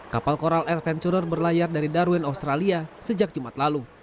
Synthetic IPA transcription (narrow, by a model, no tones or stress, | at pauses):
kapalkoɾalɛrfɛnt͡ʃuɾərbərlajardaɾidaɾuɛnaust̪ɾaliasəd͡ʒak̚d͡ʒumat̪lalu